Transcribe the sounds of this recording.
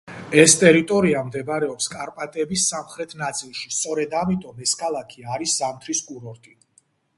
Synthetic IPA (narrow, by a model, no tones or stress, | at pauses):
ɛst̪ʼɛɾit̪ʼɔɾiamd̪ɛbɾɛɔpskʼaɾpʼat̪ʼɛbisːamχɾɛt̪ʰnat̪sʼilˠʃi̥st̪sʼɔɾɛd̪amit̪ʼɔmɛskʰalˠakʰiaɾiszamt̪ʰɾiskʼuɾɔɾt̪ʼi